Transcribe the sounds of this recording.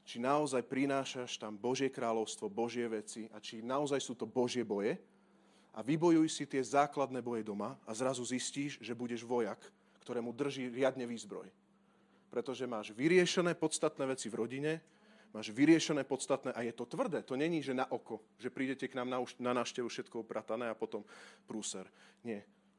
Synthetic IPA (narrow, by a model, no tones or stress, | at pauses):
t͡ʃinaɔzajpɾinaːʃaʃt̪ambɔʒɪɛkɾaːlɔʊst̪ʋɔbɔʒɪɛʋɛt͡siat͡ʃinaɔzajsuːt̪ɔbɔʒɪɛbɔjɛ | ʔaʋibɔjujsit̪ɪɛzaːklad̪nɛːbɔjɛd̪ɔmaazɾazuzisciːʒʒɛbuɟɛʒʋɔjakː | t̪ɔɾɛːmud̪r̩ʒiːɾɪad̪ɲɛʋiːzbɾɔ̰j | pɾɛt̪ɔʒɛmaːʒʋiɾɪɛʃɛnɛːpɔt̪st̪at̪nɛːʋɛt͡sivɾɔɟiɲɛ | maːʒʋiɾɪɛʃɛnɛːpɔt̪st̪at̪nɛːʔajɛt̪ɔt̪ʋr̩d̪ɛːt̪ɔɲɛɲiːʒɛnaʔɔkɔʒɛpɾiːɟɛcɛknaːmnaunanaːʊʃcɛʋufʃɛt̪kɔupɾat̪anɛːapɔt̪ɔmpɾuːsɛɾɲɪɛ